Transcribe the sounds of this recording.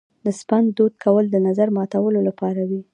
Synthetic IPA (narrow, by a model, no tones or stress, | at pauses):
d̪əspand̪d̪od̪kʰawəld̪ənazaɾmɑt̪awəlolapɑɾawi